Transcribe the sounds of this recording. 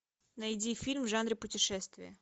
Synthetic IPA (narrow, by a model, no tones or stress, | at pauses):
nɐjdʲifʲilʲmʐanɾʲɪpʊtʲɪʂɛst̪vʲɪ̰jɐ̰